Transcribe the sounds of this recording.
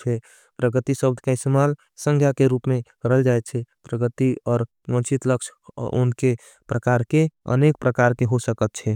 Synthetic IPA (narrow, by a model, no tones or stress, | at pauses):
t͡ʃʰɛ | pɾəɡət̪isəb̚d̪ʱkaɪst̪emal | sə̃ŋɡʰʱjakeɾuːpmẽkəɾɦəld͡ʒaɛt̪̚t͡ʃʰɛpɾəɡət̪iɔːɾ | wə̃nt͡ʃit̪ləkʃʰʊ̰nke | pɾəkaɾkeə̰nek̚pɾəkaɾkeɦosəkət̪̚t͡ʃʰɛ